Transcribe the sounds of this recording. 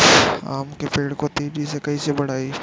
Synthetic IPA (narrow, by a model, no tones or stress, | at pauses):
a̰ːmkepeːɖkot̪iːɾisekɐisebɐɽ̤aːi